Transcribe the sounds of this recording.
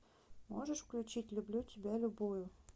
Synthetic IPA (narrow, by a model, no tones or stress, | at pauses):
mo̰ʒəʃfklʲut͡ɕitʲlʲublʲut̪ʲibʲælʲubujʊ